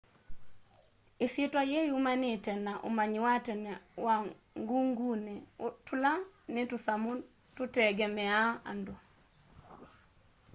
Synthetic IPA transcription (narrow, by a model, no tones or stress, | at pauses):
ɪsɪtajejumanɪtɛnaʔo̰maɲwatɛnwa | ŋɡuŋɡunetʊlanɪtusamu | tutɛɡɛmɛaa̰ndɔ